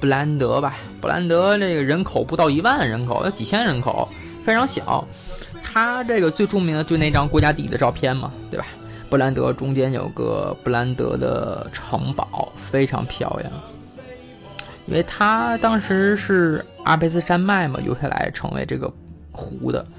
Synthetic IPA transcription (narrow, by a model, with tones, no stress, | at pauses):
pu˥˩la˧˥nt̪ɤ˧˥bɐ˧ | pu˧˥la̰˧˥nt̪ɤ˧˥ne˥˩ɡə˩ɻə˧˥nkʰo˨˩ʊpu˧˥t̪ɑ˥˩ʊi˧˥wa˥˩nɻə˧˥nkʰo˨˩˦ʊjɑ˥˩t͡ɕi˨˩t͡ɕʰjɛ˥nɻə˧˥nkʰo˨˩˦ʊ | fe˥ɪʈ͡ʂʰɑ˧˥ŋɕjɑ̰˨˩˦ʊ | t̪ʰa˥ʈ͡ʂɤ˥˩ɡə˩t͡swe˥˧ɪʈ͡ʂʊ˥˩ŋmi˧˥ŋd̪ə˧t͡ɕo˥˧˥ne˥˩˧ʈ͡ʂɑ˥ŋkwɔ˧˥t͡ɕja˥t̪i˥˩d̪ə˦ʈ͡ʂɑ˥˧ʊpʰjɛ˥˩nmɐ̰˩t̪we˥˩ɪba˩ | pu˧˥la˧˥nt̪ɤ̰˧˥ʈ͡ʂʊ˥ŋt͡ɕjɛ˥njo̰˨˩ʊ˦ɡə̰˧˩pu˧˥˩la˧˥nt̪ɤ̰˧˥d̪ə̰˧ʈ͡ʂʰɤ̰˧˥ŋpɑ˨˩˦ʊfe˥ɪʈ͡ʂʰɑ̰˧˥ŋpʰjɑ̰˥˧ʊljɛ̰˨˩ŋ | i˥nwʔe˥˧ɪt̪ʰa˥t̪ɑ˥ŋʂɻ̩˧˥ʂɻ̩˥˩a̰˥˩pʰe˥ɪs̬ɹ̩˥˧ʂa˥nma˥˩ɪmə̰˩jo̰˧˥ʊɕa˥˩la̰˧˥ɪʈ͡ʂʰɤ̰˧˥ŋwḛ˧˥ɪʈ͡ʂɤ̰˥˩ɡə̰˩ | xu˧˥d̪ə̰˧